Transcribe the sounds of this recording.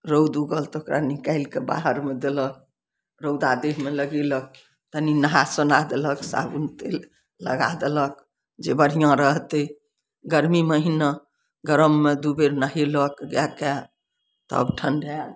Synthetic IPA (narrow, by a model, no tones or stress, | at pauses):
ɾowd̪uɡəlt̪okɾanikaɪlkeba̰ɦəɾmed̪elək̚ | ɾowd̪ad̪eɦmeləɡelək̚ | t̪əninəɦasənad̪eləksa̰bunt̪el | lə̰ɡa̰d̪elək̚ | d͡ʒebəɾijãɾəɦt̪e | ɡəɾmiməɦinə | ɡəɾəmːed̪ubeɾnaɦeləkɡake | t̪ə̰bʈʰənɖʱa